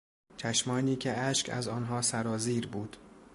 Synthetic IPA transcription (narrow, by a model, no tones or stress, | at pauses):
t͡ʃʰæʃmɒːniːcʰeæʃcʰæ̰zɒːnɦɒːsæɾɒːziːɾbuːd̪̥